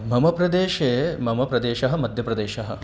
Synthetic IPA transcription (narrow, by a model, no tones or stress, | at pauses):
mɐmɐpɾɐd̪eːʃeːmɐmɐpɾɐd̪eːʃɐɦɐ̆mɐd̪ʱjɐpɾɐd̪eːʃɐɦɐ̰̆